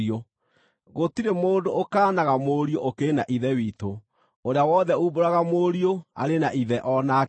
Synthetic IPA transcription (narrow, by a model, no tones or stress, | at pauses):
o | ɣotiɾemoːdookaːnaɣamoɾioʔokeːna̰ʔiðɛwiːto | oɾeawɔðɛuːboɾaɣamoɾioa̰ɾenaʔiðɛʔɔna